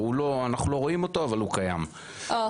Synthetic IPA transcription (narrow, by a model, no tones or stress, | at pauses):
uloanaχnulo̞ʁo̞imo̞t̪o̞avalukaja̰m | o